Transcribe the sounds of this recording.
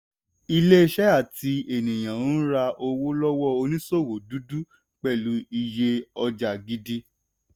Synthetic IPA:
i˧le˦e˧ʃɛ˦a˦˨ti˧˦e˨nĩ˨j̃ã˨˦ɾa˧ʔo˧wo˦lɔ˦wɔ˦o˧nĩ˦so˦˨wo˨du˦du˦ | k͡pɛ˦˨lũ˨˦i˧je˧ɔ˧d͡ʒa˨ɡi˦di˦

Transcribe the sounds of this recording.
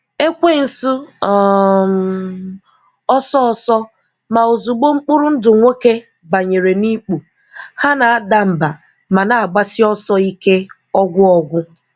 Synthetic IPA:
e˦kʷe˦˨n̩˨sʊ˦ɔ˨m˨ | ɔ˦sɔ˦ɔ˨sɔ˦ | ma˨o˨zu˨ɡ͡bo˦ŋ͡m̩˦k͡pʊ˦ɾʊ˦n̩˦dʊ˨ŋʷe˦ke˦ | ba˨ɲe˨ɾe˨ni˦k͡pu˨ | ha˦na˨a˦da˦m̩˨ba˨ | ma˨na˨a˨ɡ͡ba˦sɪ˦ɔ˦sɔ˦i˦ke˦ | ɔ˦ɡʷʊ˦ɔ˨ɡʷʊ˦

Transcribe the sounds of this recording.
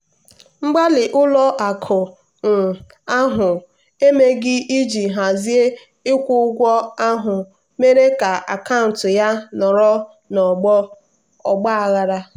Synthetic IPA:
ŋ͡m̩˦ɡ͡ba˦lɪ˨ʔʊ˦lɔ˦ʔa˨kʰʊ˨ | n̩˨ | a˦ɦʊ˨ | e˦me˦ɡɪ˦i˦d͡ʒi˨ɦa˨zi˦e˦ | ɪ˦kʷʊ˦ɡʷɔ˦a˦ɦʊ˨ | me˦ɾe˦ka˨ʔa̰˨ka˦˨n˨tʊ˨ja˦nɔ˨ɾɔ˦ | nɔ˨ɡ͡bɔ˦ | ɔ˨ɡ͡ba˦a˨ɣa˦ɾa˦

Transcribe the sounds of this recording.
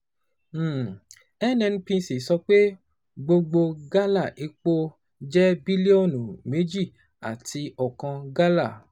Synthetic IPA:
ɛ˦˨nɛ̃˧ñ̩˦pĩ˧˦si˨sɔ˧k͡pe˦ | ɡ͡bo˧ɡ͡bo˧ɡa˦la˦˨ʔe˨˦k͡po˦ | d͡ʒɛ˦bi˦li˦o˦˨nũ˨me˨˦d͡ʒi˦˨ | a̰˨ti˧ɔ˨kã˧ɡa˦la˦˨

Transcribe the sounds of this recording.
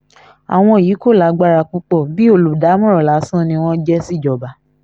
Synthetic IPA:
a̰˨w̃ɔ̃˧i˨ji˨˦ko˦˨la˨˦ɡ͡ba˦ɾa˧k͡pũ˦k͡pɔ˦˨bi˦o˦˨lu˨da˨˦mɔ̃˦ɾɔ˨la˨˦sã˦nĩ˧w̃ɔ̃˦d͡ʒɛ˦si˦˨d͡ʒɔ˨ba˨˦

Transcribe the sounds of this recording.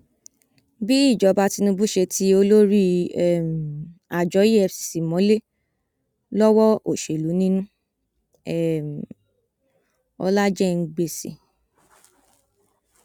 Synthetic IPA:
bi˦i˦˨d͡ʒɔ˨˦ba˧ti˧nũ˧bu˦ʃe˧ti˦o˧lo˦ɾi˦ɛ˦˨m̩˨a˨d͡ʒɔ˨˦jɛ˧si̥˨si˨mɔ̃˨˦le˦ | lɔ˦wɔ˦o˦˨ʃe˨lu˨˦nĩ˦nũ˦ | ɛ˦˨m̩˨ | ɔ̰˧la˦d͡ʒɛ˦ŋ̩˧ɡ͡be˧sḭ˨

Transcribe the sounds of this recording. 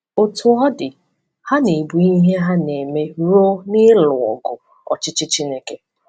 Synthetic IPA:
o˨tʰʊ˨ɔ˦dɪ˨ | ha˦ne˨bu˨i˦ɦe˦ɦa˦ne˨me˦ɾo˦nɪ˦lʊ˨ɔ̰˨ɡʊ˨ | ɔ̰˨t͡ʃɪ˦t͡ʃɪ˦t͡ʃi˦ne˦ke˦

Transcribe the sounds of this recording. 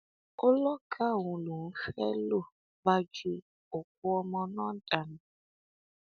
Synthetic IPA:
ʊ˦lɔ˦kʰa˦˨wũ˨lu˨ŋ̩˦xɛ˦lo˦˨ | ba˦d͡ʒi˦ | ʊ˨k̚ʷʊ˦ɔ˧mɔ˦nɔ˦n̩˦ta˨nʊ˨

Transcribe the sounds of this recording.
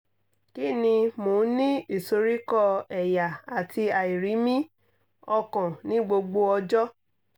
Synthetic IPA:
ki˦nĩ˧mõ˨˦nĩ˦i˦˨so˧ɾi˦kɔ˧ɛ˨ja˨a˨tʰi˧a˨i˨ɾi˨˦mĩ˦ | ɔ˧kɔ̃˨nĩ˨˦ɡ͡bo˧ɡ͡bo˧ɔ˧d͡ʒɔ˦

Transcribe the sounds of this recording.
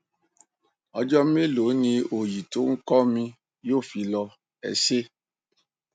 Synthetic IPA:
ɔ˧d͡ʒɔ˦m˦e˦lo˨˦nĩ˧o˨ji˨to˨˦ŋ̩˦kɔ˦mĩ˧ | jo˦˨fi˨˦lɔ˧ | ɛ̰˧˨se˦

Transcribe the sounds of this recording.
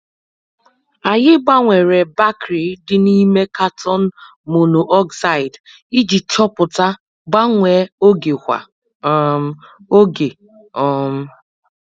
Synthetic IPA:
a˨ɲɪ˦ɡ͡ba˦ŋʷe˨ɾe˨ba˦kɾi˨dɪ˨ni˦me˦ka˦tʰɔ˦n̩˦ | mo˨no˨ʔɔ˦ksa˦˨ɪ˨d | i˦d͡ʒi˨t͡ʃɔ˦pʊ˨ta˦ | ɡ͡ba˦ŋʷe˨˦o˦ɡe˨kʷa̰˨˦ | o˦ɡe˨ | ɔ˨m̩˦

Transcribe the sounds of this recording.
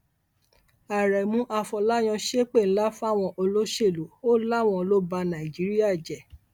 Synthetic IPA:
a˨ɾɛ˨mũ˧˦ʔa˧fɔ˧la˦j̃ɔ̃˧ʃe˦k͡pe˦˨ñ̩˨˦la˦fũ˦a˦˨w̃ɔ̃˧ʔo˧lo˦ʃe˦˨lo˨˦o˦la˦˨w̃ɔ̃˧o˧lo˦ba˧nã˨i˨d͡ʒi˨˦ɾi˦a˦˨d͡ʒɛ˨

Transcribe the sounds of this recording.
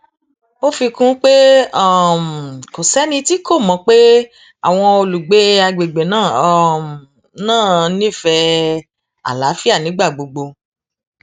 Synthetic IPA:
o˦fi˧kũ˦k͡pe˦a˦˨m˨ko˨sɛ˨˦nĩ˧ti˦kʰo˦˨mɔ̃˨˧˦k͡pe˦ | a̰˦˨w̃ɔ̃˧o˧lu˨ɡ͡be˨˦a˧ɡ͡be˨ɡ͡be˨nãː˦˨ | nãː˦˨˦nĩ˦fɛ˧ | a̰˨la˨˦fi˦a˦˨nĩ˨˦ɡ͡ba˦˨ɡ͡bo˧ɡ͡bo˧

